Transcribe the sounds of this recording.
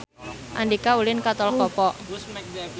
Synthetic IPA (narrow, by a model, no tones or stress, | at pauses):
ʔa̰ndikaulɪnkat̪ɔlkɔpɔ